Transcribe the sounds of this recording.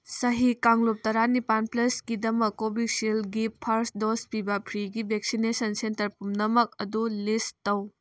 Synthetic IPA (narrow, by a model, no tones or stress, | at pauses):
sɐɦikaŋlop̚tɐɾanipanplɐskidɐmɐkːobik̚silɡipʰɐɾsdospibɐpʰɾiɡibʱek̚sinesɐnsentɐɾpumnɐmɐk̚ɐdulistɐw